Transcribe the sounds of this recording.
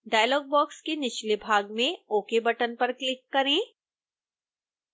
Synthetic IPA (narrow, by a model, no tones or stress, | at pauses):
ɖaːjlɔːɡ̚bɔːkskenɪʃlibʱaːɡmẽoːkebɐʈənpɐɾklɪkːɐɾẽː